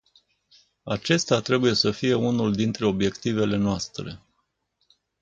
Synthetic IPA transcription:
at͡ʃe̞st̪eat̪ɾe̞buje̞səfije̞unuld̪int̪ɾe̞o̞bje̞kt̪ive̞le̞noast̪ɾe̞̰

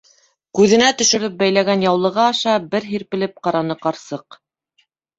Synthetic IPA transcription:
kʉðɘ̆næt̪ɵ̆ʃɵ̆ɾɘp̚bæjlæɡænjɑwlˠɤ̆ʁɑːʃɑbɘɾɦiɾpɘ̆lɘp̚qɑɾɑnɤqɑɾsɤq

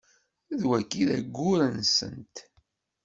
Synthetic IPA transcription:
ðwækːiðæ̰ɡːʊɾənsə̰nt̪

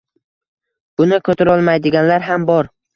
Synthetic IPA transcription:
bʊnɪkʰɵt̪ʰʊɾɒlˠmajd̪ɪɡʲanlaɾɦambɒɾ

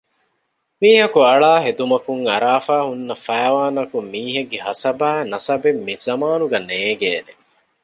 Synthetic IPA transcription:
miːɦɐkuɐɭaːɦed̪umɐkuŋɐɾaːfaːhunːɐfæːʋaːnɐkumːiːɦeɡːeɦɐsɐbæːnɐsɐbemːizɐmaːnuɡɐneːɡeːne

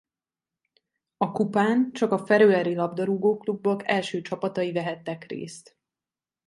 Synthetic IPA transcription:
ɒkupaːnt͡ʃɒkɒfɛɾøːɛɾilɒbd̪ɒɾuɡoːklubːokɛlʃøːt͡ʃɒpɒt̪ɒivɛɦɛt̪ːɛkrḛːst̪

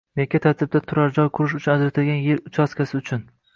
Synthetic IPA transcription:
mekʲːat̪ʰaɾt̪ʰɪb̚d̪at̪ʰʊɾaɾd͡ʒɒjkʰʊɾɪʃ̬ʊt͡ʃʰʊnad͡ʒɾat̪ʰɪlɡʲanjeɾʊt͡ʃʰaskʲasɪʊt͡ʃʰʊn

